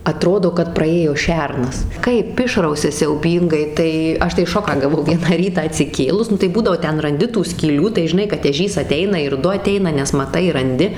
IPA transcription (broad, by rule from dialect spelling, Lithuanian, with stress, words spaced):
ɐˈtroːdoː kɐt prɐˈeːjoː ˈʃʲɛrnɐs ˈkɐɪp ˈɪʃrɐʊsʲɛ sʲɛʊˈbʲiːŋɡɐɪ ˈtɐɪ ˈɐʃ tɐɪ ˈʃoːkɑː ɡɐˈʋɐʊ ˈʋʲiɛnɑː ˈrʲiːtɑː ɐtʲsʲɪˈkʲeːlˠʊs ˈnʊ tɐɪ ˈbuːdɐʋoː ˈtʲɛn rɐnʲˈdʲɪ tuː sʲkʲiːˈlʲuː tɐɪ ʒʲɪˈnɐɪ kɐt ɛˈʒʲiːs ɐˈtʲɛɪnɐ ɪr ˈdʊ ɐˈtʲɛɪnɐ nʲɛs mɐˈtɐɪ rɐnʲˈdʲɪ